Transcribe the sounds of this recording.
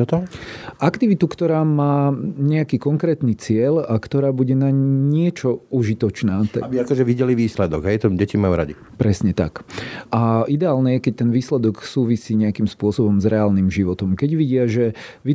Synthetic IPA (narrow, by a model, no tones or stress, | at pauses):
ɔt̪ɔʔakt̪iʋit̪ukt̪ɔɾaːmaːɲɛakiːkɔŋkɾɛːt̪nit͡sɪɛlakt̪ɔɾaːbuɟɛnaɲɪɛt͡ʃɔuʒit̪ɔt͡ʃnaːt̪biakɔʒɛʋiɟɛliʋiːslɛd̪ɔɡɦɛjt̪ɔɟɛcimajuːɾa̰ɟi | pɾɛsɲɛt̪a̰kʔaʔid̪ɛaːlnɛjɛkɛc̚t̪ɛnʋiːslɛd̪ɔksuːʋisiːɲɛakimspʊɔsɔbɔmzɾɛaːlnimʒiʋɔt̪ɔmkɛɟʋiɟɪaʒɛ | ʋi